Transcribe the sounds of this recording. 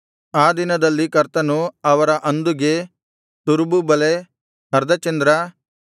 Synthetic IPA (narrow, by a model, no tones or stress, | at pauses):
aːd̪inɐd̪ɐlːikɐɾt̪ɐnuɐʋɐɾɐʔɐnd̪uɡe | t̪uɾububɐle | ɦɐɾd̪ʱɐt͡ʃɐnd̪ɾɐ